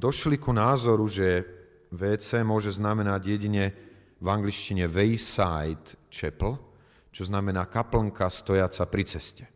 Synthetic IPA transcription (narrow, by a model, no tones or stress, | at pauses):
d̪ɔʃlikunaːzɔɾuʒɛ | ʋɛːt͡sɛːmʊɔʒɛznamɛnaɟjɛɟiɲɛ | vaŋɡlit͡ʃciɲɛʋɛjsajt̪t͡ʃɛpl̩ | t͡ʃɔznamɛnaːkaplŋkast̪ɔjat͡sapɾit͡sɛscɛ̥